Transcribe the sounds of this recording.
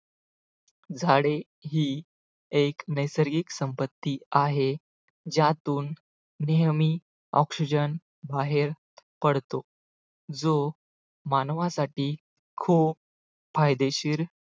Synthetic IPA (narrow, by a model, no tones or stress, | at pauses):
d͡zʱaɽe | ɦiː | eknəjsəɾɡiksəmpət̪ːiaɦe | d͡ʑãt̪uːnː | ijəmiː | ɔ̰ksid͡ʑən | baɦeɾ | pəɽt̪o | d͡zo | manʋãsaʈiː | kʰuːp | fajd̪eɕiːɾ